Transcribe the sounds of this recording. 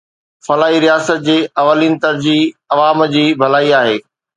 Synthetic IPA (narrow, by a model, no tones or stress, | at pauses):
fɐlaːɦiɾijaːsət̪̚d͡ʑeːɐʋəliːn̆t̪ɐɾd͡ʑiːɐʋaːmd͡ʑiːbʱɐlaːiaːɦeː